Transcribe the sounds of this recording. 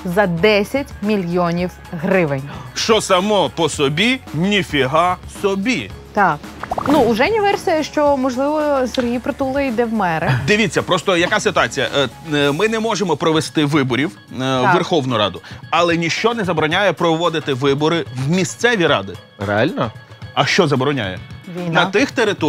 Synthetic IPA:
zɐd̪ɛsʲɐtʲmʲilʲjɔnʲiw | ɦɾɪʋɪnʲʃt͡ʃɔsɐmɔpɔsɔbʲinʲifʲiɦɑsɔbʲit̪ɑknuʊʒɛnʲiʋɛrsʲijɐʃt͡ʃɔmɔʒlˠɪʋɔseɾʲɦijpɾɔt̪ulˠɐid̪ɛwmɛɾɛd̪ɪʋʲit͡sʲːɐpɾɔst̪ɔjɐkɑsɪt̪ʊɑt͡sʲijɐ̰mɪnɛmɔʒemɔpɾɔʋest̪ɪʋɪbɔɾʲiw | ʋerxɔwnʊɾɑ̰d̪ʊɐlˠɛnʲiʃt͡ʃɔnɛzɐbɔɾɔnʲajɛpɾɔʋɔd̪ɪt̪ɪʋɪbɔɾɪwmʲist̪sɛʋʲiɾɑ̰d̪ɪ | ɾḛɑ̰lʲnɐ | ɐʃt͡ʃɔzɐbɔɾɔnʲa̰jɛ̰ʋʲinɐt̪ɪxt̪eɾɪt̪ɔ

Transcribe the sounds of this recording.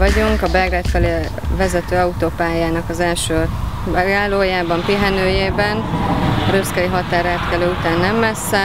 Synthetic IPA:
ɒɟuŋkɒbɛɡrɛt̪fɛleː | vɛzɛt̪øːɒut̪oːpaːjaːnɒkɒzɛlʃøː | ɡaːloːjaːbɒmpiɦɛnøːjeːbɛnɒɾøskɛjiɦɒt̪aːɾɛt̪kɛløːut̪aːnːɛmːɛsːɛ

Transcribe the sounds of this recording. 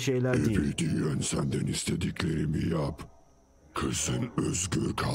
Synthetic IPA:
ʃejlʲæɛbiɾt̪ʰijønsænd̪ɛnist̪ʰed̪icʰleɾimijap | kʰɯsɯnøzɡʲøɾkʰa

